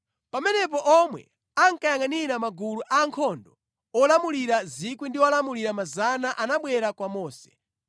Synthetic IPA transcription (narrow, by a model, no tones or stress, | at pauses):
pamɛnɛpɔʔɔmwɛ̰ | aŋkajaŋaniɾamaɡuluʔaŋkʰɔndɔ | ɔlamuliɾazikwindiɔlamuliɾamazanaʔanaɓwɛɾakwamɔːsɛ̥